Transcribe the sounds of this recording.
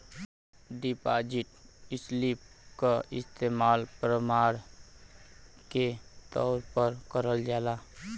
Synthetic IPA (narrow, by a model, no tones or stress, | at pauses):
ɖipad͡ʒiʈɪslip̚kəɪst̪emaːlpɾəmaɾ | ket̪ɔʊɾpəɾkəɾəld͡ʒaːla